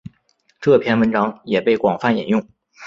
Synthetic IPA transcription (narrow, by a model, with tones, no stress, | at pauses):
ʈ͡ʂɤ˥˩pʰjɛ˥˩nwə˧˥nʈ͡ʂɑ˥ŋjɛ˨˩pe˥˩ɪkwɑ˨˩ŋfa˥˩njḭ˨˩njʊ˥˩ŋ